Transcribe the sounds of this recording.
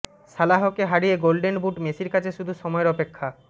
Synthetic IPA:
ʃalaɦokeɦaɽieɡolɖenbuʈmeʃiɾkat͡ɕʰeʃud̪ʱuʃɔmɔeɾɔpekʰːa

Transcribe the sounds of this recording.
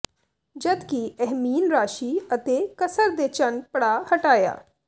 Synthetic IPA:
d͡ʒəd̪kiɛɦmiːnɾaːʃiːət̪eːkəsəɾd̪eːt͡ʃənpəɽaːhəʈaːja̰ː

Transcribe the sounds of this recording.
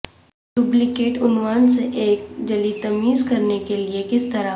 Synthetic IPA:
ɖʊblɪkeːʈʊnwaːnseʔeːk̚d͡ʒɐlit̪ɐmiːzkɐɾnekeliekɪst̪ɐɾa

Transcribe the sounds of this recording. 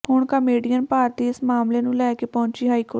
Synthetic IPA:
hʊɳkəmeːɖijənpaːɾt̪iːɪsmaːmleːnũːlɛːkeːpɔ̃ːɲt͡ʃiːɦaːiːkoːʈ

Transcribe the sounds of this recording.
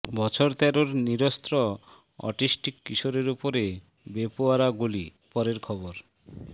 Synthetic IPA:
bɔt͡ɕʰoɾt̪ɛɾoɾniɾost̪ɾɔ | ɔ̰ʈisʈikːiʃoɾeɾupoɾe | bepoaɾaɡulipɔɾeɾkʰɔboɾ

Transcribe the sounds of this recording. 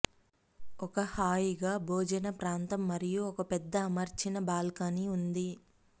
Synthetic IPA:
ɔkɐhaːjiɡaːbʱoːd͡ʒɐnɐpɾaːnt̪ɐmːɐɾijuɔkɐpɛd̪ːɐːmɐɾt͡ʃinɐbaːlkaniund̪i

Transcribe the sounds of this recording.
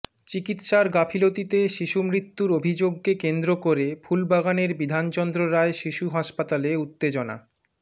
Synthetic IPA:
t͡ɕikit̪ʃaɾɡapʰilot̪it̪eʃiʃumɾit̪ːuɾobʱid͡ʑoɡ̚kekend̪ɾokoɾebʰulbaɡaneɾbid̪ʱant͡ɕɔnd̪ɾoɾaeʃiʃuɦaʃpat̪aleut̪ːed͡ʑona̰

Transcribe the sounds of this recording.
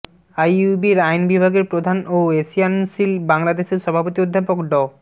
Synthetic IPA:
ajubiɾajnbibʱaɡeɾpɾod̪ʱanoesiansilbaŋlad̪eʃeɾʃɔbʱapot̪iod̪ʱːapokɖɔ

